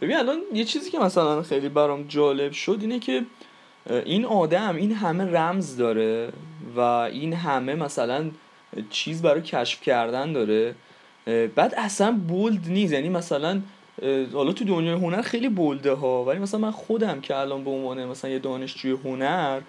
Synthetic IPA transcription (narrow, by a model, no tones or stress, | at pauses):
b̥binælɒnjet͡ʃʰiːziːcʰe̞mæsælænxejlibæɾɒmd͡ʒɒːle̞bʃo̞d̪iːnecʰe̞ | ʔinɒːd̪æminɦæme̞ræmzd̪ɒːɾe̞væʔiːnɦæme̞mæsælæn | t͡ʃʰiːzibæɾɒːjecʰæʃfcʰæɾd̪ænd̪ɒːɾe | b̥æːd̪æsænbold̪niːsjæniːmæsælæn | hɒːlɒːt̪ʰud̪onjɒːjeɦonæɾxe̞jlibold̪eɦɒvælimæs̬ælænmænxo̞d̪æmcʰe̞ælɒnbeonvɒːnemæsælænjed̪ɒːne̞ʃd͡ʒuːjeɦonæɾ